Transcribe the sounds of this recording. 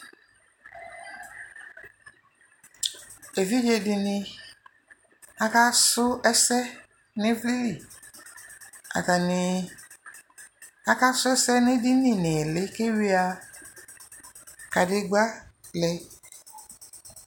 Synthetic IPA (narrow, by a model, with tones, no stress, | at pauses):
e˨vi˦d͡ʒe˨dɪ˧nɪ̃˦ | a˦ka˦sʊ˦ɛ˦sɛ˦ | nɪ̃˦vli˦li˨ | a̰˨ka˨nɪ˨˧ | a˦ka˦sʊ˦ɛ˦sɛ˦nɪ̃˦dɪ˦nɪ̃˨nɪ˨lɪ˦ke˦wi˦a˨ | ka˨dɪ˦ɡ͡ba˦ | lɛ˦